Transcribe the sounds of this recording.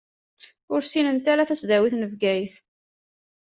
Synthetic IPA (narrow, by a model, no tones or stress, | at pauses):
ʊɾsinənt̪æɾæθæsd̪æwiθnəvɡæjθ